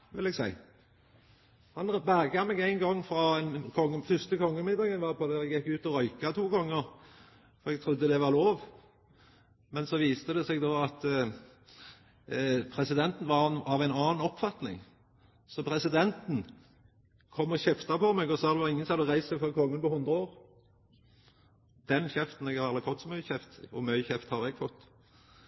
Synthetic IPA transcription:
ʋɪlɛɡsæɪ | hɑnbæɡɑmɛɡæɪnɡɑŋːfɾɑɛnkʰɔŋːəfʏʁst̪əkʰɔŋːəmɪnd̪ɑːɡənʋɑːpʰɔd̪æɾɛɡjɛkːʉːt̪ɔɾɔʏkɑt̪ʰuːɡɔŋːəɾ | fɔɾɛɡt̪ʰɾʊd̪ːəd̪ɛʋɑʁloːʋ | mɛnsɔʋiːst̪əd̪ɛsɛɡd̪oːɑt̪ | pʰʁɛsɪd̪ɛnt̪n̩ʋɑnɑʋæɪnɑːnɔpːfɑt̪nɪ̰ŋ | sɔpʰʁɛsɪd̪ɛnt̪n̩ | kʰɔmːɔçɛft̪ɑpɔmɛɡɔsɑːd̪ɛʋɑʁɪŋːənsɑd̪əʁæɪsɛfɔʁkʰɔŋːənpɔhʊnd̪ʁəoːʁ | d̪̥ɛnçɛft̪n̩ɛɡhɑɾɑlɪfɔt̪ːsɔmːœʏçɛft̪ɔ̰mœʏçɛft̪hɑʁɛɡfɔt̪ː

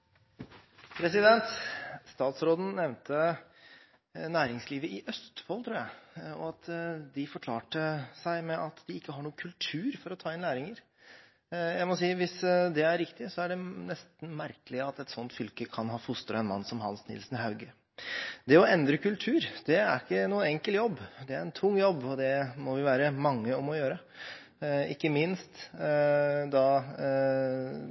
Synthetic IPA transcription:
pʰɾɛsɪd̪ɛnt̪st̪ɑːt̪sɾoːd̪n̩nɛʋnt̪ʰə | næːɾɪŋsliːʋəɪʔœst̪fɔlt̪ʰɾuːɾæɪɔ̰ɑt̪d̪ɪfɔkʰlɑːʈəsæɪmɛʔɑt̪d̪ɪɪkːəɦɑɳuːəkʰʉlt̪ʰʉːɾfɔɾɔt̪ʰɑːɪnlæːɾɪŋəɾ | jæɪmɔsiːʋɪsd̪ɛæɾɾɪkt̪ɪsɔæɖɛnɛst̪n̩mæɾkəlɪɑt̪ɛt̪sɔnt̪fʏlkəkʰɑnɦɑːfʊst̪əɾəɛnmɑ̰nːsɔmhɑnsnɪ̰lsnhɑʉɡə | d̪ɛɔɛnd̪ɾəkʉlt̪ʰʉːɾd̪ɛæɾɪkːənuːənɛŋkəljɔbːd̪ɛæɾɛnt̪ʰʊŋːjɔbːɔd̪ɛmɔʋɪʋæːɾəmɑŋːəɔmɔjøːɾə | ɪkːəmɪnst̪ | d̪ɑ

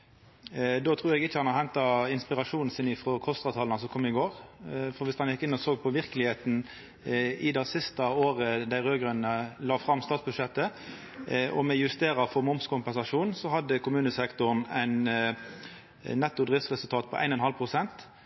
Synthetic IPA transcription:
d̪oːt̪ʰʁuːɾɛɡɪt͡ʃːəhɑnɑhɛnt̪ɑɪnspɪʁɑʂuːnn̩sɪnɪfɾɔkʰɔst̪ɑːt̪ʰɑːlnɑsɔkʰɔmːɪɡoːʁfɔʁʋɪst̪ɑnjɪkːɪnːɔsoːɡ̚pʰɔʋɪʁkəlɪheːt̪n̩ | ɪd̪æsɪst̪ɑoːʁəd̪æɪʁøːɡʁʉnnəlɑːfɾɑmːst̪ɑːt̪sbʉd̪ʂɛt̪ːə | ʔɔ̰mɛjʉst̪eːɾɑfɔʁmʊmskʰʊmpɛnsɑʂuːnsɔhɑd̪ːəkʰʊmʉːnəsɛkt̪ʊnæɪn | nɛt̪ːʊd̪ʁɪftsʁɛsʉlt̪ʰɑːt̪̚pʰɔʔæ̰ɪnɔnhɑlpʰɾʊsɛnt̪

